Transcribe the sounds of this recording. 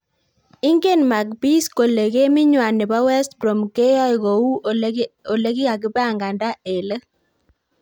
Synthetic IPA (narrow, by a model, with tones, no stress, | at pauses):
ɪ˦ŋɡe˦˨nma˨k̚bi˦sko˨le˨ɣe˦mɪ˦ɲwa˨nɪ˨ba˦wɛ˦stbɾo˨mke˦jɔ˦ɪ˨ɣo˨u˦ | o˨le˦ɡɪ˦a˨kɪ˦ba˦˨ŋɡa˨nda˦e˨lə˦